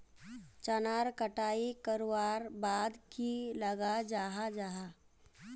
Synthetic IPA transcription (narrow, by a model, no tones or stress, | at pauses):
t͡ʃənaːɾkəʈaːikəɾowaːɾbaːd̪kiləɡad͡ʒaːɦad͡ʒaːɦa